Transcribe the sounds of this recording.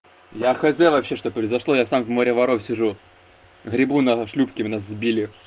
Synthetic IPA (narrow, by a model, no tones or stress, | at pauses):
jaxɐzʲɛvɐpɕːeʂt̪opɾəɪzɐʂlˠojasamvmoɾʲəvɐɾofsʲɪʐu | ɣɾʲɪbunɐʂlʲupkʲɪmʲɪnaszbʲilʲɪ